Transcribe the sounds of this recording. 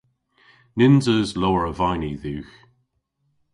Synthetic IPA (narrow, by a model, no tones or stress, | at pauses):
nɪnzəzlɔːɹəvajniðʉːx